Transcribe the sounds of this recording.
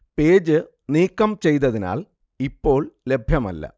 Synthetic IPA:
pe̞ːd͡ʑɨ | niːkːɐmt͡ɕe̞jt̪ɐðina̰ːl | ipːo̞ːɭle̞bʱjɐmɐ̰lːɐ̰

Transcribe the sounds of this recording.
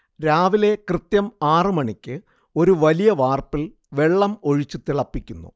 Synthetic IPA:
ɾaːʋile̞krɨt̪jɐmaːrɨmɐɳikʲːɨ | o̞ɾuʋɐlijɐʋaːrpil | ʋe̞ɭːɐmo̞ɻit͡ɕːut̪iɭɐpːikʲːunːṵ

